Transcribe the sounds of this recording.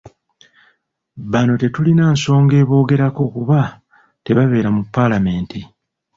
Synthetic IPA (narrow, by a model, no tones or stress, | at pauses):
βano̞te̞tulinaːnso̞ːŋɡe̞ːβo̞ːɡe̞ɾako̞kuβa | te̞βaβe̞ːɾamupːalame̞ːnti